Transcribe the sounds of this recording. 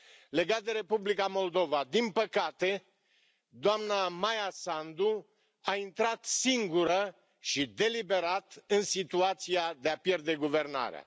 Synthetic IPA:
le̞ɡat̪̚d̪e̞ɾe̞publikamo̞ld̪o̞vad̪inpəkat̪e̞ | d̪oamnamajasand̪u | aint̪ɾat̪siŋɡuɾə | ʃid̪e̞libe̞ɾat̪ɨnsit̪uat̪sijad̪e̞apje̞rd̪e̞ɡuve̞rna̰ɾea̰

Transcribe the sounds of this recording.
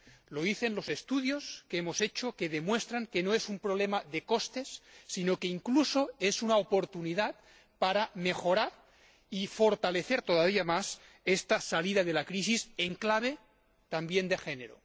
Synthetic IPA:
loiθe̞nlo̞sest̪uðjo̞skeemo̞se̞t͡ʃoke̞ðe̞mwe̞st̪ɾaŋke̞noesumpɾoβ̞lemaðeko̞st̪e̞sːinoke̞iŋkluso̞e̞sunaopo̞ɾt̪uniðat̪̚ | paɾame̞xo̞ɾaɾ | ifo̞ɾt̪ale̞θeɾt̪o̞ð̞aβ̞iamas | est̪asalið̞að̞elakɾisiseŋklaβ̞e | t̪ambje̞nd̪e̞xe̞ne̞ɾo̰

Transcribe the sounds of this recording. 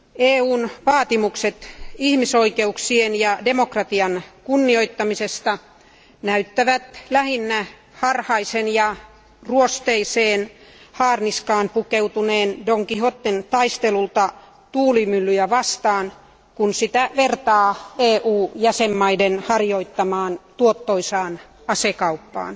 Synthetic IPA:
eːuːnʋɑːt̪imukset̪ihmisoikeuksienjɑdemokrɑt̪iɑnkunːioit̪ːɑmisest̪ɑ | næyt̪ːæʋæt̪læhinːæ | hɑrhɑisenjɑ | ruost̪eiseːnhɑːrniskɑːnpukeut̪uneːndoŋkihot̪ːent̪ɑist̪elult̪ɑ | t̪uːlimylːyjæʋɑst̪ɑːn | kunsit̪æʋert̪ɑːeːʔuːjæsemːɑidenhɑrjoit̪ːɑmɑːnt̪uot̪ːoisɑːn | ɑsekɑupːɑ̰ːn

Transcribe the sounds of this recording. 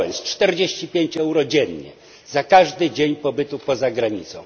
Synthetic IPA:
ɛ̰nst͡ʂt̪ɛɾd͡ʑeɕt͡ɕipʲjeɲt͡ɕɛwɾɔd͡ʑɛɲɲɛ̰ | zakaʐd̪ɘd͡ʑeɲpɔbɘt̪upɔzaɡɾaɲit̪sɔ̰̃w̃

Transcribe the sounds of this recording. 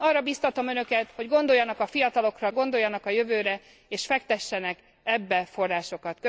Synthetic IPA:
ɒrːɒbiːst̪ɒt̪o̞mø̞nø̞kɛt̪ho̞ɟɡo̞nd̪o̞jːɒnɒkɒfijɒt̪ɒlo̞krɒɡo̞nd̪o̞jːɒnɒkɒjø̞vøːɾɛ | eːʃfɛkt̪ɛʃːɛnɛk | ɛbːɛfo̞rːaːʃo̞kɒt̪kø

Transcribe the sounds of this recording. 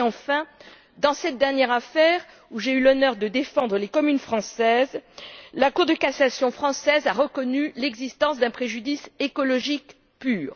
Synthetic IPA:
ɑ̃fɛ̃ | d̪ɑ̃sɛt̪̚d̪ɛʁnjɛʁafɛʁ | uʒeylɔnœʁd̪əd̪efɑ̃d̪ʁəlekɔmynfχɑ̃sɛzlakuʁd̪əkasasjɔ̃fχɑ̃sɛzaʁəkɔnylɛɡzist̪ɑ̃sd̪ɛ̃pχeʒyd̪isekɔlɔʒik | pyːʁ

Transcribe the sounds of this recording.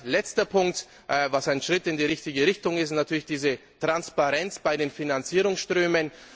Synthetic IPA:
lɛt͡stɐpʰʊŋk̚t | ʔvasaɪnʃʁ̥ɪtɪndiːʁɪçtɪɡəʁɪçtʊŋɪstnatʰyːɐlɪçd̥iːzətʁ̥anspaʁɛnt͡sb̥aɪdeːnfinant͡siːʁʊŋsʃtʁ̥øːmən

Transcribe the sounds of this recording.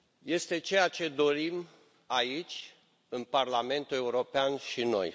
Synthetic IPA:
je̞st̪e̞t͡ʃe̞jat͡ʃe̞d̪o̞ɾim | ait͡ʃʲ | ɨnparlame̞nt̪ule̞uɾo̞peanʃino̞̰j

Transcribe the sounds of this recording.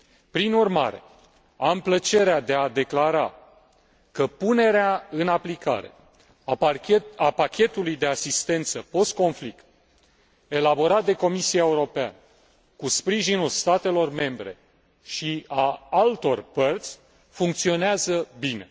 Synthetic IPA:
pɾinurma̰ɾe̞ | amplət͡ʃe̞ɾead̪e̞ad̪e̞klaɾa̰ | kəpune̞ɾeaɨnaplika̰ɾe̞̰ | apakʲe̞t̪ulujd̪e̞asist̪e̞nt̪səpo̞st̪̚ko̞nflikt̪̚ | e̞labo̞ɾat̪̚d̪e̞ko̞misiaeuɾo̞pea̰nə | kuspɾiʒinulst̪at̪e̞lo̞rme̞mbɾe̞̰ | ʃiaalt̪o̞rpərt̪sʲ | fuŋk̚t̪sio̞neazəbine̞

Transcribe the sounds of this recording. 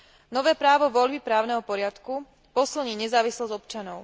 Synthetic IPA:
nɔʋɛːpɾaːʋɔʋɔʎbipɾaːʊnɛɦɔpɔɾɪat̪ku | pɔsilɲiːɲɛzaːʋislɔzɔpt͡ʃanɔʊ

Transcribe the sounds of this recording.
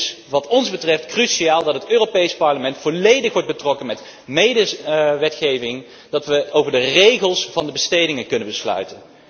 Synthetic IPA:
s | ʋɑtɔnzbətrɛftkryʃiaːlˠdɑtɦətøːropejspɑɹləmɛntfolejdəχʋɔɹd̚bətrɔkənmɛt | mejdəʋɛtχejvɪŋ | d̥ɑtʋəowvəɹdərejχəlˠsvɑndəbəstejdɪŋənkɵnəbəslœ̰ɥtən

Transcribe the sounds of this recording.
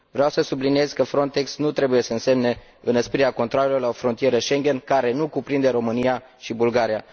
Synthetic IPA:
vɾeawsəsublinije̞zkəfɾo̞nt̪e̞ksnut̪ɾe̞buje̞səɨnse̞mne̞ | ɨnəspiɾeakont̪ɾoalelo̞rlaofɾo̞nt̪ije̞ɾəʃe̞ŋɡʲe̞nkaɾe̞nukupɾind̪e̞ɾo̞mɨnia | ʃibulɡaɾija

